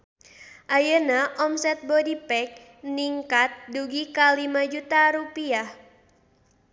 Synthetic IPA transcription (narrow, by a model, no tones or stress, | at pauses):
ʔajənaʔɔmsɛt̪̚bɔdipɛk̚ | niŋkat̪̚duɡikalimad͡ʒut̪aɾupiah